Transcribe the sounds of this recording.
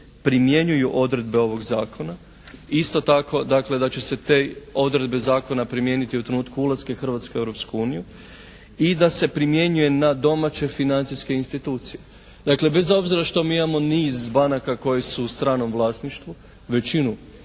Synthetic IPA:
pɾimje̞ɲujuʔo̞d̪ɾe̞d̪be̞o̞ʋo̞ɡzaːkʰo̞na | ist̪o̞t̪ako̞d̪akle̞d̪at͡ɕe̞se̞t̪e̞ːo̞d̪ɾe̞d̪bezaːko̞napɾimje̞nit̪iut̪ɾenuːt̪kuulaske̞xr̩ʋat̪skee̞wɾopskuuːniju | id̪ase̞pɾimje̞ɲuje̞nad̪o̞mat͡ɕe̞finant̪siske̞inst̪it̪uːt̪sije̞ | d̪akle̞be̞zo̞bziɾaʃt̪o̞miːimamo̞niːzbanakako̞jisuːst̪ɾaːno̞mʋlˠaːsniʃt̪ʋu | ʋe̞t͡ɕinu

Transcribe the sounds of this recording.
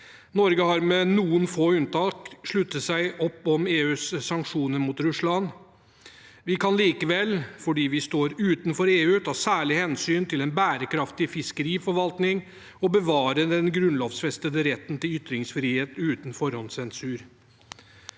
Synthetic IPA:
nɔɾɡəhɑɾmɛnuːənfoːʉnt̪ɑːkʂɭʉt̪ːəsæɪʔɔpːɔmeːʉːsːɑŋkʂuːnəɾmuːt̪ɾʉʂlɑn | ʋɪkʰɑnliːkəʋɛlːfɔɖiːʋɪst̪oːɾʉːt̪nfɔɾeːʉːt̪ʰɑːsæːɭɪhɛnsyːnt̪ʰɪlɛnbæːɾəkʰɾɑft̪ɪfɪskəɾiːfɔɾʋɑlt̪nɪŋ | ɔbəʋɑːɾəd̪ɛnɡɾʉnloːfsfɛst̪əd̪əɾɛt̪ːn̩t̪ɪlʏt̪ɾɪŋsfɾiːheːt̪ʉːt̪ənfɔɾhɔnsɛnsʉːɾ

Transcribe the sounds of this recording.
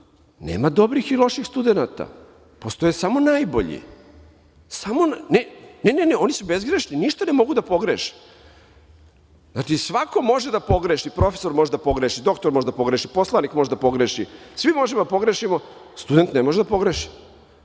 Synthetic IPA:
nḛːmad̪o̞bɾixilˠo̞ʃixst̪ud̪enat̪a̰ | po̞st̪o̞jesamo̞najbo̞̰ʎḭ | samonneneneneo̞nisubezɡɾeʃniniʃt̪anemo̞ɡud̪apo̞ɡɾeʃi̥ | zaʈ͡ʂisʋako̞mo̞ʒed̪apo̞ɡɾeʃipɾo̞fe̥so̞ɾmo̞ʒed̪apo̞ɡɾeʃid̪o̞kt̪oɾmo̞ʒed̪apo̞ɡɾeʃipo̞slˠanikmoʒed̪apo̞ɡɾeʃisʋimo̞ʒemod̪apo̞ɡɾeʃimo̞ | st̪ud̪e̞nt̪nemoʒed̪apo̞ɡɾeʃi̥

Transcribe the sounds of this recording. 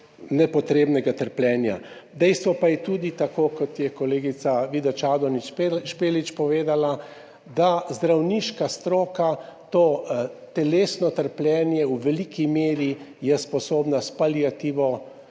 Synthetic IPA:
nɛpɔt̪ɾeːbnɛɡat̪əɾplʲɛːnja̰d̪ɛjst̪ʋɔpajɛt̪ud̪it̪akoːkɔt̪jɛkɔleːɡit̪saʋiːd̪at͡ʃaːd̪ɔnipʃpeːlit͡ʃpɔʋeːd̪ala | d̪azd̪ɾawniʃkast̪ɾoːkat̪oːt̪ɛleːsnɔt̪əɾplʲjɛːnjɛuʋɛlikimeːɾijɛspɔsoːbnaspaliat̪iːʋɔ

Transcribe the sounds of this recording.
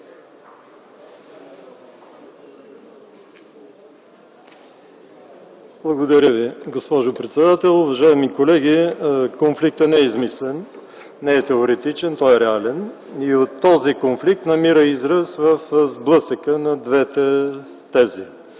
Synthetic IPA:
blˠɐɡod̪ɐɾʲəviɡospɔʒopɾɛt̪sɛd̪at̪ɛlˠʊvɐʒaɛmikolɛɡikonflik̚t̪ənɛɛizmislɛn | nɛɛt̪ɛoɾɛt̪it͡ʃɛnt̪ɔɛɾɛalɛn | iot̪ːɔzikonflik̚t̪nɐmiɾəizɾəsvəfzblˠɤsəkənɐd̪vɛt̪ɛ | t̪ɛzi

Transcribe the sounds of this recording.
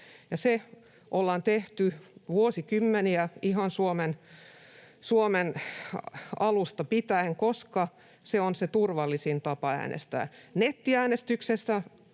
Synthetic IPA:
jɑse | ʔolːɑnt̪eht̪yʋuosikymːeniæiɦɑnsuomen | suomen | ɑlust̪ɑpit̪æeŋkoskɑ | seonset̪urʋɑlːisint̪ɑpɑæ̰ːnḛst̪æ̰ːnet̪ːiæːnest̪yksesːæ

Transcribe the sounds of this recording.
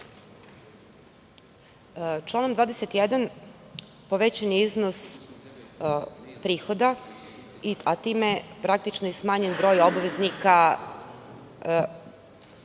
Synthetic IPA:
t͡ʃlˠaːnomd̪vaːd̪eset̪ijed̪an | poʋet͡ɕaniiznos | pɾiːxo̞d̪a | iat̪iːmepɾak̚t̪it͡ʃnojesmaːɲenbɾo̞ːjo̞baʋeznika

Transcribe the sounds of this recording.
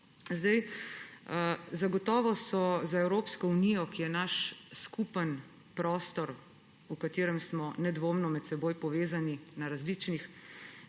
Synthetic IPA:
zd̪aj | zaɡɔt̪ɔːʋɔsɔzaɛwɾoːpskɔunijɔkijɛnaʃskupən | pɾɔːst̪ɔɾ | ukat̪eːɾɛmsmɔnɛd̪ʋoːmnɔmɛt̪sɛboːjpɔʋeːzaninaɾazlit͡ʃnix

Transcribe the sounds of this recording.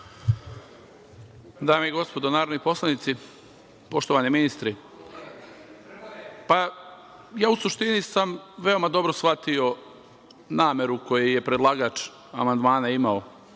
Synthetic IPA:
d̪aːmeiɡo̞spo̞d̪onaːɾonipo̞slˠanit̪si | po̞ʃt̪oʋaniminist̪ɾi | pa | jaːusuʃt̪inisamʋe̞o̞mad̪o̞bɾosfat̪io̞ | naːme̞ɾuko̞jeje̞pɾe̞d̪lˠaːɡaːt͡ʃ | amand̪maːnaimao

